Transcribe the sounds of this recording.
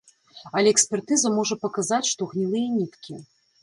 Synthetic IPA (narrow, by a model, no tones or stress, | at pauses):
ɐlʲɛɛksʲpʲɛrt̪ɨzɐmɔʐɐpɐkazat͡sʲʂt̪ɔɣnʲilˠɨjɐnʲit̪kʲi